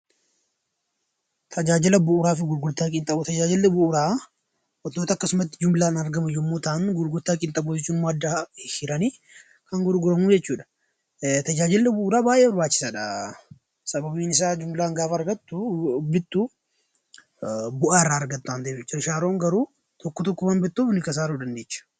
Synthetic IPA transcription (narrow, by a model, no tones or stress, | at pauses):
t̪ʰɐd͡ʒaːd͡ʒɪlɐbʊʔʊɾaːfɪɡʊɾɡʊɾt̪aːkʼɪnt̪ʼɐbt̪ɐd͡ʒaːd͡ʒɪlːɛbʊʔʊɾaː | ʔɔt̪ːo̞ːt̪ɐkːɐsʊmɐt̪ːɪd͡ʒʊmɪlaːnɐɾɡɐmɐjʊmːo̞ːt̪ɐʔɐnɡʊɾɡʊɾt̪aːkʼɪnt̪ʼɐbʊd͡ʒɛt͡ʃːuːnɪmːoːɐd̪ːahɪɾɐniː | kɐŋɡʊɾɡʊɾɐmuːd͡ʒɛt͡ʃːuːᶑɐ̥ | t̪ɐd͡ʒaːd͡ʒɪlːɛbʊʔʊɾaːbaːjʔeːbɐɾbaːt͡ʃːɪ̥saːᶑɐ | sɐbɐbiːnɪs̬aːd͡ʒʊmlaːŋɡaːfɐɾɡɐt̪ːʊbɪt̪ːu | bʊʔaːrːaːɾɡɐt̪ːʊaːnd̪eːfɛt͡ʃːɪɪʃaːɾoːŋɡɐɾuː | t̪ɔkːɔt̪ɔkːmaːmbɛt̪ːuːbɪnːɪkɐs̬aːɾuːdɐnd̪eːt͡ʃːɐ̥